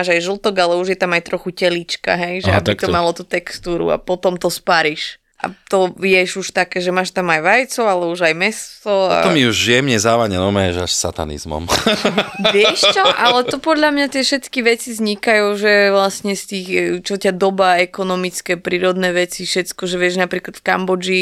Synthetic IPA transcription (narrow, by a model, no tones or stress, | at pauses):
aːʒajʒl̩ˠt̪ɔɡalɛuʒjɛt̪amajt̪ɾɔxucɛlit͡ʃka̰ɦɛjʒɛab̪it̪ɔmalɔt̪uːt̪ɛkst̪uːɾṵa̰pɔt̪ɔmt̪ɔspaɾiʃ | ʔa̰t̪ɔjɛʒuʃt̪akɛːʒɛmaːʃt̪amajʋajt͡sɔalɛuʒajmɛst̪ɔaa̰t̪ɔmiuʒʒɪɛmɲɛzaːʋaɲɛnɔmɛʒa̰ʃsa̰t̪a̰nḭzmɔ̰m | ʋɪɛʃt͡ʃɔʔalɛt̪ɔpɔd̪ʎamɲat̪ɪɛʃɛt̪kiʋɛt͡sizɲikajuːʒɛʋlasɲɛst̪iːxt͡ʃɔcad̪ɔbaɛkɔnɔmit͡skɛpɾiːɾɔd̪nɛːʋɛt͡siʃɛt̪kɔʒɛʋɪɛʒnapɾiːklat̪fkambɔd͡ʒi